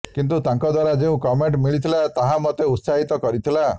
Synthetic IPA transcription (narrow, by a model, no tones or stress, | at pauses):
kint̪ut̪aŋkɔd̪waɾad͡ʒeũkɔmeɳʈmiɭit̪ʰilat̪aɦãmɔt̪eut̪saɦit̪ɔkɔɾit̪ʰila